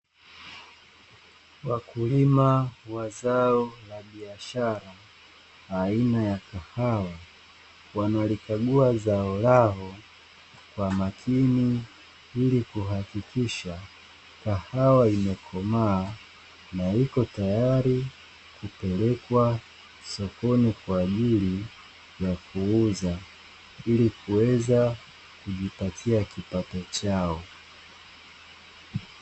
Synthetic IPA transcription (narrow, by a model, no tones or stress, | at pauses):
wakulimawazaɔlaɓiaʃaɾaː | inajakahawa | wanalikaɠuazaɔlaɦɔ | kwamakʰini | ilikuɦakikʰiʃa | kahawaimɛkʰɔmaː | naikɔtajaaɾi | kupɛlɛkwa | sɔkɔnikwaːʄili | jakʰuuza | ilikʰuwɛza | kuʄipatʰiakipatɔt͡ʃaɔ